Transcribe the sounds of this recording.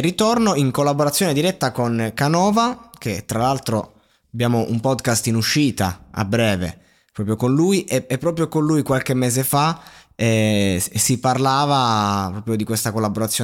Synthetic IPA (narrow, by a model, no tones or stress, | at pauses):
rit̪ornoiŋkolːaboɾat̪sːjoːned̪iɾɛt̪ːakonkanɔːvaket̪ːɾalalt̪ɾo | abjaːmoʔṵmpɔd̪kast̪inuʃːiːt̪aa̰bɾɛːvḛ | pɾɔːpɾjokonlujʔeɛpːɾɔːp̬ɾjokonlujkwalkemːeːzefa | ɛsiparlaːvapɾɔːpɾjod̪ikwest̪akolːaboɾat̪sːjo